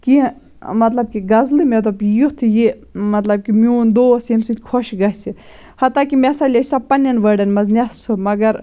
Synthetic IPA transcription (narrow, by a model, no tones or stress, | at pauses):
ki | mɐt̪lɐb̚kiɡɐzlɨmet̪̬ɐbjut̪ʰji | mɐt̪lɐb̚kimiund̪oːsinsut̪ʲkʰoʃɡɐsi | hɐt̪ːaːkimɛsɐlʲɐsɐpɐnʲjɐnʋəɖɐnmɐznʲɐspʰɨmɐɡɐɾ